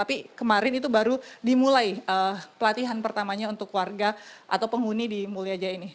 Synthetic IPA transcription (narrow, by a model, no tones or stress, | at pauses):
t̪apikəmaɾɪnit̪ubaɾudimulajəpəlat̪iɦanpərt̪amaɲaunt̪ʊkːwarɡaʔa̰t̪awpəŋunidimuliad͡ʒaini